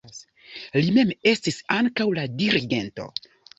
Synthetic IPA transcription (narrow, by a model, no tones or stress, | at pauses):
lime̞me̞stisaŋkawladiɾiɡe̞nto̞̰